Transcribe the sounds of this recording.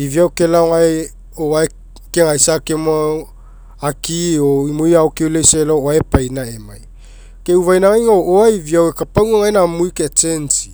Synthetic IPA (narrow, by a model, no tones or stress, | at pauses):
iviawkelaoŋaj | oae | keŋajsakema | akioimujawkewlejselooaepajnaemaj | keuvajnaŋajŋooaiviawekapawŋaŋajnamujket͡ʃensi̥